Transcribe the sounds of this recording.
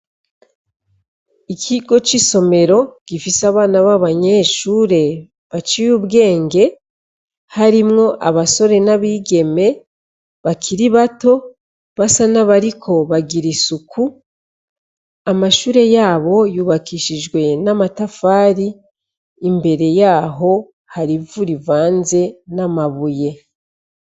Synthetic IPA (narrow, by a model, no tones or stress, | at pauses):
ikʰiɡo̞t͡ʃiso̞me̞ɾo̞ɡ̥ifisaβaːnaβaβaɲe̞ːʃuːɾe̞ | βat͡ʃijuβɡe̞ːŋɡe̞ | haɾimŋo̞ʔaβaso̞ɾe̞naβiːɡe̞me̞ | βakʰiɾiβato̞ | βasanaβaɾikʰo̞βaɡiɾisukʰu | amaʃuːɾe̞jaːβo̞juːβakiːʃiʒɡwe̞namatafaːɾiː | mbe̞ɾe̞jaːɦo̞ | haɾivuɾivaːnze̞namaβuje̞